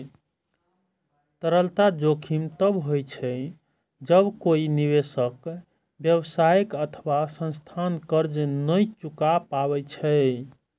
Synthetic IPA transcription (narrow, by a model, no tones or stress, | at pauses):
t̪əɾəlt̪ad͡ʒokʰimt̪əbɦojt͡ʃʰɛ | d͡ʒəbkoiniβesək | bjəbsajekət̪ʰəβasə̃nst̪ʰankəɾd͡ʒnəjt͡ʃukapaβɛt͡ʃʰɛ